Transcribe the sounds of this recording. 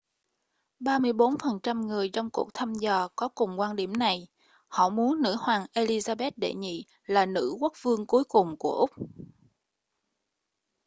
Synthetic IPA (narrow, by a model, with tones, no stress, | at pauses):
ɓaː˧mɨ˧əjɓo˨˦nfə˨˩nt͡ɕa˧mŋɨ˨˩əjt͡ɕɔ˧wŋ͡mku˨˩ək̚t̪ʰa˧mzəː˨˩kɔ˨˦kʊ˨˩ŋ͡mkwaː˧nɗi˧˩əmna˨˩j | hɔ̰˧˨mu˨˦ənːɨ̰˧˥hwaː˨˩ŋʔe˧li˧zaː˧ɓe˦˥t̚ɗḛ˧˩ɲḭ˧˨ | laː˨˩nɨ̰˧˥ku˦˥k̚vɨ˧əŋku˨˦əjkʊ˨˩ŋ͡mku˧˩əʔʊ˦˥k͡p̚